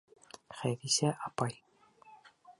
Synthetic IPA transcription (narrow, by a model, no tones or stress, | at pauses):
χæjɾisæʔɑpɑj